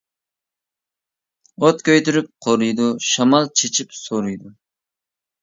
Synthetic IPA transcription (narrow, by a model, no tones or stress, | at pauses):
ot̪kʲøjt̪yɾyp̚qʰoɾujd̪uʃɑmɑlˠt͡ʃʰet͡ʃʰipsoɾujd̪u